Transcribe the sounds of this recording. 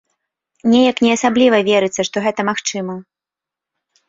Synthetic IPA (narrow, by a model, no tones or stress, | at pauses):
nʲɛjɐknʲɛasablʲivɐvʲɛɾɨt̪sːɐʂt̪ɔɣɛt̪ɐmaxt͡ʂɨmɐ